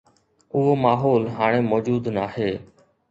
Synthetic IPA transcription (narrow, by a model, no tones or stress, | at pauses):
ʊɦoːmaːɦoːlɦaːɽ̃eːmoːd͡ʒuːd̪naːheː